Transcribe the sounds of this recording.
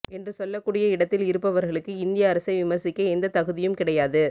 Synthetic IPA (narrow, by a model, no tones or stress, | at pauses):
ɛndrɯsɔlːɐkːuːɽɪjɐɪɽɐt̪ːɪlɪɾɯpːɐʋɐɾɣɐɭɯkːɯɪnd̪ɪjɐːɾɐsɐɪʋɪmɐɾsɪkːɐɛnd̪ɐt̪ɐɣɯðɪjɯmkɪɽɐjaːðɯ